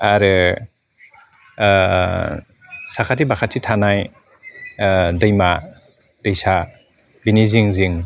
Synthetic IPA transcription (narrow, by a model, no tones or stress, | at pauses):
aɾɯ | sakʰatibakʰat̚sʰitʰanaj | dɯjma | d̥ɯjsa | biniziŋziŋ